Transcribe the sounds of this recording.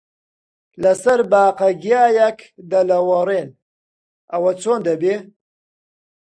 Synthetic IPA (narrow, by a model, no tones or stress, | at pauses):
lasaɾbaːqaɡjaːjakd̪alawaɾen | awat͡sond̪abe